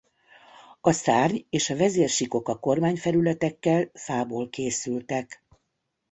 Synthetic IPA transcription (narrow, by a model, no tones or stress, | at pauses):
ɒsaːrɲeːʃɒvɛzeːrʃiko̞kɒko̞rmaːɲfɛɾylɛt̪ɛkːɛlfaːboːlkeːsylt̪ɛk